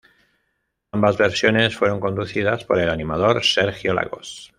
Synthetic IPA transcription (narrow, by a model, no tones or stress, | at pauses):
ambazβeɾsjone̞sfweɾo̞ŋko̞nd̪uθið̞aspoɾelanimaðoɾseɾxjola̰ɣo̰s